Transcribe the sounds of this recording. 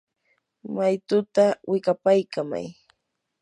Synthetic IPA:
majt̪ʊt̪awɪkapajkama̰j

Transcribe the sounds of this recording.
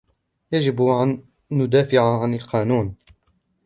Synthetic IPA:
jad͡ʒɪbanː | ʊd̪aːfɪʕaʕanalqɑːnuːn

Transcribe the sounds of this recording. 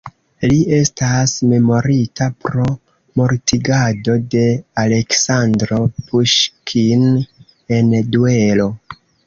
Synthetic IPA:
liʔe̞stasme̞mo̞ɾitapɾo̞ | mo̞ɾtiɡado̞de̞ale̞ksandɾo̞puʃkʰin | e̞ndue̞lo̞

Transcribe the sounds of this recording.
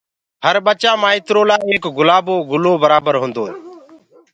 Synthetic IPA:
ɦəɾɓət͡ʃãːmãːɪt̪ɾoːlaːeːkɡʊlaːboːɡʊloːbəɾaːbəɾɦʊ̃ːnd̪oː

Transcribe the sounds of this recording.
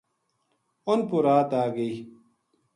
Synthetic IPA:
onpuɾaːt̪aːɡɐi

